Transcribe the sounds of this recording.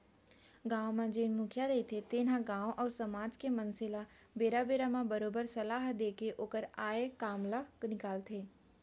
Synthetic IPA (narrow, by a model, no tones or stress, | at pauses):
ɡãːwmãd͡ʒeːnmʊ̃kʰjaɾɐɦit̪ʰet̪eːnɦãɡãːwʔɔːɾsɐmaːd͡ʒkemɐnsɪla | beːɾabeːɾamãbɐɾoːbəɾsɐlaːɦd̪eːkeʔoːkəɾaːekaːmlaknɪkaːlt̪ʰeː